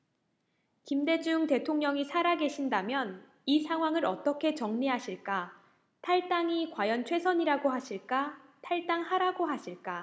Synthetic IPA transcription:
kimde̞d͡ʑuŋte̞tʰoŋɲʌŋisʰaɾaɡe̞ɕʰindamjʌn | isʰaŋɦwaŋɯɾʌ̰t͈ʌkʰe̞t͡ɕʌŋɲiɦaɕʰiɭk͈a | tʰaɭt͈aŋikwajʌnt͡ɕʰwe̞sʰʌɲiɾaɡohaɕʰiɭk͈atʰaɭt͈aŋhaɾaɡoɦaɕʰiɭk͈a

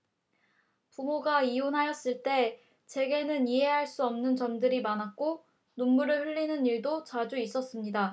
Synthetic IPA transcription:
pumoɡaionɦajʌs͈ɯɭt͈e̞ | t͡ɕe̞ɡe̞nɯniɦe̞ɦaɭs͈uʌmnɯnt͡ɕʌmdɯɾimanak̚k͈o | nonmuɾɯɭɸɯʎːinɯniɭdot͡ɕad͡ʑuis͈ʌs͈ɯmɲida

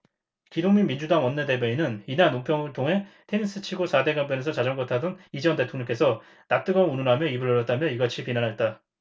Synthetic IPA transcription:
kidoŋminmind͡ʑudaŋwʌnːe̞de̞beinɯninanːompʰjʌŋɯɭtʰoŋɦe̞tʰe̞nis͈ʰɯt͡ɕʰiɡosʰade̞ɡamp̬͈ʰjʌne̞sʰʌt͡ɕad͡ʑʌŋɡʌtʰadʌnid͡ʑʌnde̞tʰoŋɲʌŋk͈e̞sʰʌ | nak̚t͈ɯɡʌnununɦamjʌibɯɭʌɾjʌt͈̚amjʌiɡat͡ɕʰipinanɦaɭt͈a

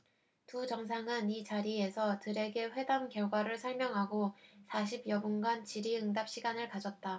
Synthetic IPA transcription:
tud͡ʑʌŋs̬ʰaŋɯnit͡ɕaɾie̞sʰʌtɯɾe̞ɡe̞ɸwe̞damkjʌɭɡwaɾɯɭsʰʌɭmjʌŋɦaɡosʰaɕʰibjʌbunɡant͡ɕiɾiɯŋdap̚ɕ͈ʰiɡanɯɭkad͡ʑʌt̚t͈a

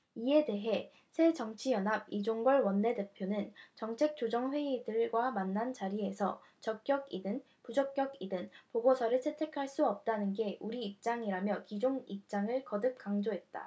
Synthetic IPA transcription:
ie̞de̞ɦe̞ | sʰe̞d͡ʑʌŋt͡ɕʰijʌnɦab̚id͡ʑoŋɡʌɭwʌnːe̞de̞pʰjonɯnt͡ɕʌŋt͡ɕʰe̞k̚t͡ɕ͈od͡ʑʌŋɸwe̞idɯɭɡwamanːant͡ɕaɾie̞sʰʌ | t͡ɕʌk̚k͈jʌɡidɯn | pud͡ʑʌk͈̚jʌɡidɯnpoɡosʰʌɾɯɭsʰe̞tʰe̞kʰaɭs͈uʌp̚t͈anɯnɡe̞ʔuɾiːp̚t͡ɕ͈aŋiɾamjʌkid͡ʑoŋip̚t͡ɕ͈aŋɯɭkʌdɯp̚k͈aŋd͡ʑoɦe̞t̚t͈a̰

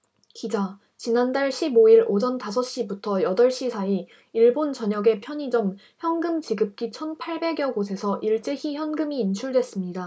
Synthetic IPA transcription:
kid͡ʑa | t͡ɕinandaɭɕʰiboiɾod͡ʑʌntasʰʌɕ͈ibutʰʌjʌdʌɭɕ͈isʰai | iɭbont͡ɕʌɲʌɡe̞pʰjʌɲid͡ʑʌm | çjʌnɡɯmt͡ɕiɡɯp̚k͈it͡ɕʰʌnpʰaɭbe̞ɡjʌɡosʰe̞sʰʌʔiɭt͡ɕ͈e̞çiçjʌnɡɯmiːnt͡ɕʰuɭdwe̞s͈ɯmɲida

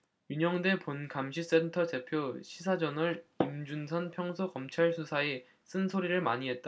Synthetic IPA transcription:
juɲʌŋde̞ponkamɕʰis͈e̞ntʰʌte̞pʰjoɕʰis̬ʰad͡ʑʌnɯɾimd͡ʑunsʰʌnpʰjʌŋsʰokʌmt͡ɕʰaɭsʰusʰae | s͈ɯnsʰoɾiɾɯɭmaɲiɦe̞t̚t͈a

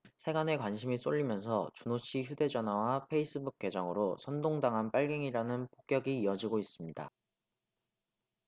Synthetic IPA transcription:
sʰe̞ɡane̞kwanɕʰimis͈oʎːimjʌnsʰʌt͡ɕunoɕʰiçude̞d͡ʑʌnɦwawapʰe̞is͈ɯbuk̚k͈e̞d͡ʑʌŋɯɾosʰʌndoŋdaŋɦanp͈aɭɡe̞ŋiɾanɯnpo̥k̚k͈jʌɡiːʌd͡ʑiɡois͈ɯmɲida̰

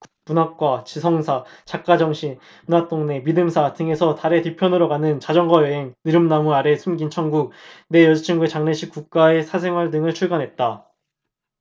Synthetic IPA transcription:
kpunɦak̚k͈wat͡ɕisʰʌŋsʰat͡ɕak̚k͈ad͡ʑʌŋɕʰin | unwat͈ʰoŋne̞midɯmsʰatɯŋe̞sʰʌtaɾe̞tipʰjʌnɯɾoɡanɯnt͡ɕad͡ʑʌŋɡwajʌɦe̞ŋnɯɾɯmnamuaɾe̞sʰumɡint͡ɕʰʌŋɡuk̚ne̞jʌd͡ʑt͡ɕʰiŋɡuet͡ɕaŋneɕʰik͈uk̚k͈ae̞sʰasʰe̞ŋɦwaɭdɯŋɯɭt͡ɕʰuɭɡanɦe̞t̚t͈a

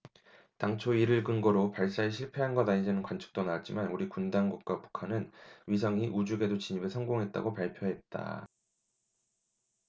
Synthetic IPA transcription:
taŋt͡ɕʰoiɾɯɭkɯnɡʌɾopaɭs͈aeɕʰiɭpʰe̞ɦanɡʌnaɲid͡ʑanɯnkwant͡ɕʰɯ̥k̚t͈onat͡ɕ͈imanuɾikundaŋɡuk̚k͈wapu̥kʰanɯnɥis̬ʰʌŋiʔud͡ʑuɡe̞dot͡ɕiɲibeɭsʰʌŋɡoŋɦe̞t̚t͈a̰ɡopaɭpʰjoɦe̞t̚t͈a̰

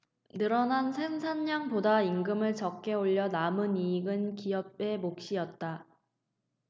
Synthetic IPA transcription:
nɯɾʌnansʰe̞ŋsʰanɲaŋpodaiŋɡɯmɯɭt͡ɕʌk̚k͈e̞oʎːʌnamɯniɡɯnkijʌb̚e̞mok̚ɕ͈ijʌt̚t͈a

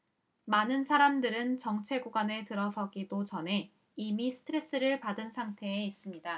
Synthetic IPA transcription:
manɯnsʰaɾamdɯɾɯnt͡ɕʌŋt͡ɕʰe̞ɡuɡwane̞tɯɾʌsʰʌɡidot͡ɕʌnɦe̞ | imisʰɯ̥tʰɯɾe̞s͈ɯɾɯɭpadɯnsʰaŋtʰe̞ːis͈ɯmɲida

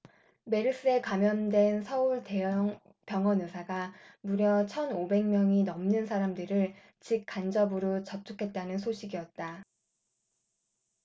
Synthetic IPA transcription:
me̞ɾɯs͈ɯekamjʌndwe̞nsʰʌuɭte̞ʌŋ | pjʌŋʌnɯsʰaɡamuɾjʌt͡ɕʰʌnobe̞ŋmjʌŋinʌmnɯnsʰaɾamdɯɾɯɭ | t͡ɕik̚k͈and͡ʑʌbɯɾot͡ɕʌp̚tʰukʰe̞t̚t͈anɯnsʰoɕʰiɡijʌt̚t͈a

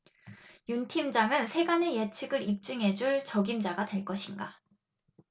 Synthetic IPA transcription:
juntʰimd͡ʑaŋɯnsʰe̞ɡane̞jet͡ɕʰiɡɯɾip̚t͡ɕ͈ɯŋɦe̞d͡ʑuɭt͡ɕʌɡimd͡ʑaɡatwe̞ɭk͈ʌɕʰinɡa

